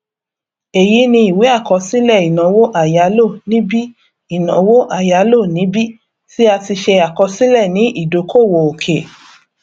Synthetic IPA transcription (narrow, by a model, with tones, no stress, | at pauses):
e˨ji˨˦nĩ˧i˨we˨˦a˦˨kɔ˧si˦lɛ˦˨i˨nã˨˦wo˦ʔa˨ja˨˦lo˦˨nĩ˦bi˦ | i˦˨nã˨˦wo˦ʔa˦˨ja˨˦lo˦˨nĩ˨˦bi˦ | ti˦a˧ti˧ʃɛ˧a˨kɔ˧si˦lɛ˦˨nĩ˨˦ʔi˦˨do˨˦ko˦˨wo˨o˨kʰe˨